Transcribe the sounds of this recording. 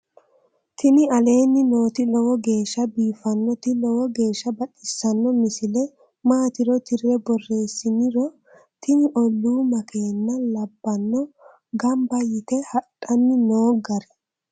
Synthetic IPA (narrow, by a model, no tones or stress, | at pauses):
t̪ʰɪnɪɐle̞ːnːɪno̞ːt̪ɪlɔwɔɡe̞ːʃːɐbiːfɐnːɔt̪ɪlɔwɔɡe̞ːʃːɐbɐɗʼɪsːɐnːɔmɪsɪlɛ | maːt̪ɪɾɔt̪ɪrːɛbɔrːe̞ːsːɪnɪɾɔ | t̪ʰɪnɪʔɔlːuːmɐkʰeːnːɐlɐbːɐnːɔ | ɡɐmbɐjɪt̪ɛhɐᶑʼːɐnːɪnoːɡɐɾɛ̥